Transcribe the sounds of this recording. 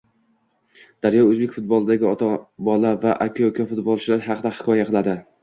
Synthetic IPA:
d̪̥aɾjɒɵzbekʲfʊt̪̚bɒlˠɪd̪aɡʲɪɒt̪ʰabɒlˠavaʔakʲʰkʲʰɒfʊt̪bɒlˠt͡ʃʰɪlaɾɦɑqʰɨd̪ahɪkʰɒjaqʰɨlˠad̪ɪ

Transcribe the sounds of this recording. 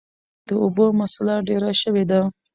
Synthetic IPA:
d̪̥əobomasalaɖeɾaʃəwed̪a

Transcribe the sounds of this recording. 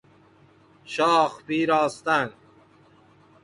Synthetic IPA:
ʃɒːxpiːɾɒːst̪an

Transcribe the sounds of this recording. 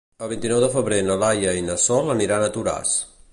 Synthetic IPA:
əlˠβ̞int̪inɔwðəfəβɾenəlajəinəsɔləniɾanət̪uɾa̰s

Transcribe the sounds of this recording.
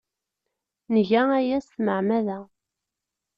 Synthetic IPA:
nəʝææjæsθməʕmæðæ

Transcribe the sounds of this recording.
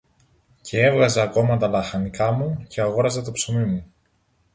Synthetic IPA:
cʰee̞vɣɐzɐːko̞mɐt̪ɐlɐxɐnikɐmuce̞ɐɣo̞ɾɐzet̪o̞psomimu

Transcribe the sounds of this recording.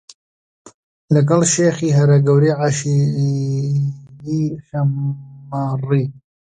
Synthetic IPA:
lɐɡɐlʃeːxiːɦɐɾɐɡɐwɾiːʕaʃi | iːʃɐmariː

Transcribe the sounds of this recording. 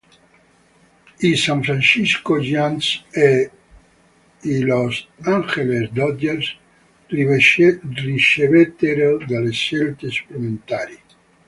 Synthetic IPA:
isaɱfɾanʃiskoʒanse | ilosaŋxelezd̪ɔd̪eɾs | riʃeβet̪eɾod̪alesːelt̪espɾument̪aɾi

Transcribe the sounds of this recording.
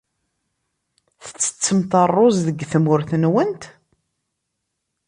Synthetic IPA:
θə̥t͡sːə̥t͡sːəmt̪ərˤːozðəɡθəmʊɾθənwənt̪

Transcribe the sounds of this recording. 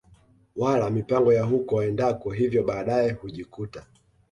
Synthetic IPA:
walamipaŋɡɔjaɦukɔwɛndakɔɦivjɔɓaːɗaɛhuʄikuta

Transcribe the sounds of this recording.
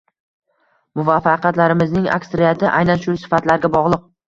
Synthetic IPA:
mʊvafɑqʰɑt̪laɾɪmɪznɪŋa̰ksɾɪjat̪ʰɪʔa̰jnanʃʊsɪ̥fat̪laɾɡʲabɒʁlˠɨq̚

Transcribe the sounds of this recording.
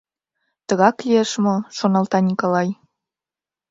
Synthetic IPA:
t̪əɣɑklieʃmoʃonɑlt̪ɑnʲikolɑj

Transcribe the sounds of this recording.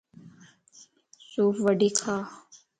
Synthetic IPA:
suːpʋəɖiːkʰaː

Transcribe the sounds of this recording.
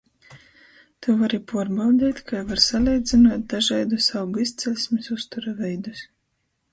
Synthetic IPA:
t̪uvaɾipuɔɾbawd̪ʲiːt̪kʰajvaɾsalʲɛjd̪zʲinuɔt̪̚d̪aʒɛjd̪usawbuist̪sɛlʲsʲmisust̪uɾavɛjd̪us

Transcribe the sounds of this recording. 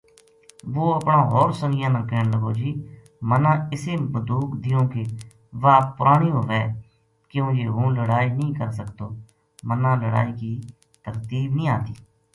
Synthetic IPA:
ʋoːəpɳãːɦoːɾsənɪjãːnãːkeːɳləɡoːd͡ʒiː | mənãːɪseːbəd̪uːkd̪ɪjõːke | ʋaːpʊɾʔaːɳ̃iːoːʋɛː | kɪjõːjeːɦũːləɽaːiːnəĩːkəɾsəkd̪oː | mənãːləɽa̰ːiːkiː | t̪əɾt̪iːbnĩːaːt̪iː

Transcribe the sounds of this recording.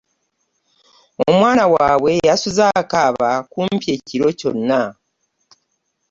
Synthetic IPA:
oo̞mwaːnawaːβwe̞jasuzaːkaːβakuːmpje̞ːciɾo̞co̞̰nːa

